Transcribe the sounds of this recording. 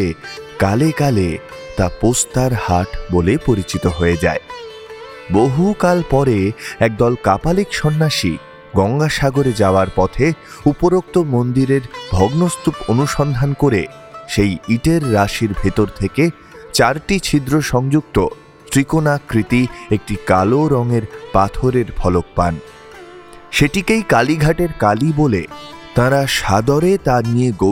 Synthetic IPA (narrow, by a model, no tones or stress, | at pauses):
ekalekale | t̪apost̪aɾhaʈbolepoɾit͡ɕit̪oɦoed͡ʑa̰e | boɦukalpɔɾeɛk̚d̪ɔlkapalikʃɔnːaʃḭ | ɡɔŋɡaʃaɡoɾed͡ʑaoaɾpɔt̪ʰe | upoɾok̚t̪omond̪iɾeɾbʱɔɡnost̪uponuʃɔnd̪ʱankoɾe | ʃejiʈeɾːaʃiɾbʱet̪oɾt̪ʰeke | t͡ɕaɾʈit͡ɕʰid̪ɾoʃɔŋd͡ʑuk̚t̪o | t̪ɾikonakɾit̪iek̚ʈika̰loɾɔŋeɾpat̪ʰoɾeɾbʱɔlok̚pa̰n | ʃeʈikejkaliɡʱaʈeɾkalibolet̪ãɾaʃad̪ɔɾet̪aɾnijeɡo